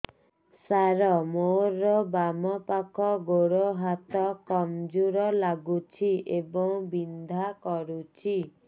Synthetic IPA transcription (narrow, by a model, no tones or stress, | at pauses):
saɾɔmoɾɔbamɔpakʰɔɡoɽoɦat̪ɔkɔmd͡ʒuɾɔlaɡut͡ʃʰiʔebɔŋbind̪ʱakɔɾut͡ʃʰi